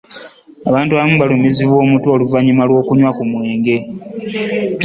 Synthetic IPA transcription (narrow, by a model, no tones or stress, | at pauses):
aβaːntuaβamuβalumiziβwo̞ːmutuoluvaɲimalwo̞ːkuɲwakumwe̞ːŋɡe̞